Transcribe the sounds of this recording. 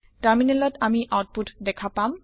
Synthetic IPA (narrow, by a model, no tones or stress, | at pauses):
ʈaɹminelɔtamiʔawt̚putdɛkʰapam